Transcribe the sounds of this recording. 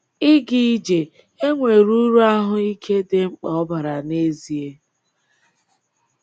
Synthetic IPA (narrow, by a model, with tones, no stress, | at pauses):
i˦ɡi˨˦d͡ʒe˨ | e˦ŋʷe˨ɾu˦ɾu˦a˦ɦʊ˦i˦kʰe˦dɪ˨ŋ͡m̩˦k͡pɔ˨ɔ˦ba˨ɾa˨ne˦zi˨e˦